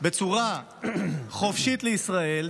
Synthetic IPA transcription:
be̞t͡suʁa | χo̞fʃit̪leisʁae̞l

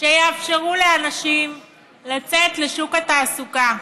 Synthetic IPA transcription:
ʃejeafʃeʁuleanaʃim | lat͡set̪leʃukat̪aːsuka

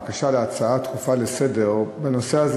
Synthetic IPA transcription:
kaʃaleat͡saat̪χufalesedeʁbeno̞seaz

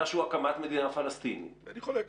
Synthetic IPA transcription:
aʃuakamat̪med̪inafalast̪inḭaniχole

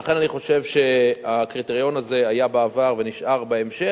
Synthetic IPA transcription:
aχe̞naniχo̞ʃe̞vʃe̞akʁit̪eʁjo̞naze̞ajabaːvaʁve̞niʃʔaʁbaemʃe

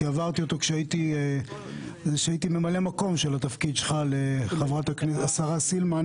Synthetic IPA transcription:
eavaʁt̪io̞t̪o̞kʃeait̪i | ʃeait̪ime̞male̞mako̞mʃelat̪afkid̪ʃelχaleχavʁat̪akniasaʁasilman

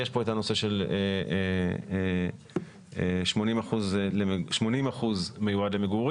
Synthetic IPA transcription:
jeʃpo̞et̪ano̞se̞ʃe̞lee | ʃmo̞nimaχuzlemʃmo̞nimaχuzmejuad̪le̞meɡuʁ

